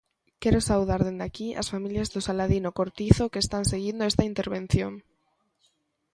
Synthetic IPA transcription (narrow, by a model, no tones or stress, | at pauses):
keɾosawð̞aɾðend̪akia̰sfamiljazðosalaðinokoɾt̪iθokest̪anseɣind̪oest̪aint̪eɾβ̞en̟θjoŋ